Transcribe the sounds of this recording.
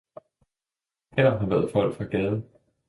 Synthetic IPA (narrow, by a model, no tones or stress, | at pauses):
helɐɦɑ̈ʋæːɐð̞̩ˠfɒ̽l̰ɡ̥fʁɑ̈ɡ̥ɛːðˠə